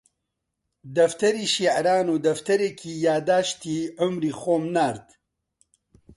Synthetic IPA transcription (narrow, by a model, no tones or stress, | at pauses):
d̪ɐft̪ɐɾiːʃiːʕɾaːnuːd̪ɐft̪ɐɾeːkʰiːjaːd̪aːʃt̪iːʕʊmɾiːxoːmnaːɾt̪